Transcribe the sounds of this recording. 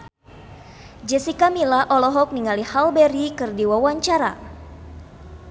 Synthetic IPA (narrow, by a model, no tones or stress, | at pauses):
d͡ʒɛsikamilaʔɔlɔɦɔk̚niŋalihalbɛɾikɨrdiwawaɲt͡ʃaɾa̰